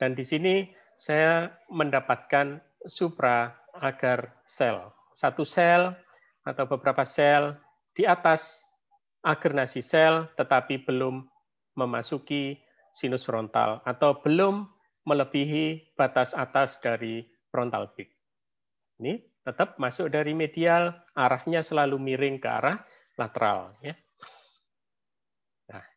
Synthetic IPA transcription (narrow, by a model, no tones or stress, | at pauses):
d̥andisini | sajaməndapat̪̚kan | supɾaː | ɡ̥ar | sɛl | sat̪usɛl | at̪awbəbəɾapasɛl | d̥iat̪as | ʔaɡ̥ərnasisɛlt̪ət̪apib̥əlʊmː | əmasuki | sinʊsfɾɔnt̪a̰lat̪awb̥əlʊmː | ələb̥iɦib̥a̤t̪asat̪asd̥aɾi | fɾɔnt̪a̰lb̥ɪk̚ | ini | t̪ət̪əp̚masʊk̚daɾimedial | aɾahɲasəlalumiɾɪŋkəa̰ɾah | lat̪əɾa̰lja | nah